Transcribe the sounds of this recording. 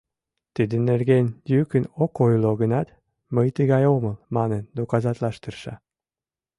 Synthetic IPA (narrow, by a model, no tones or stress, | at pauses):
t̪id̪ənːerɣenʲjykənokojloɣənɑt̪ | məjt̪əɣɑjoməlmɑnend̪okɑzɑt̪lɑʃt̪ərʃɑ̰